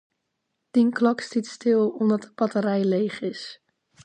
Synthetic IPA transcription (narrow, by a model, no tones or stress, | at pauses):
d̥inklɑkstitstɪlˠɔmdɑtəb̥ɑtəɾɛjlejχɪs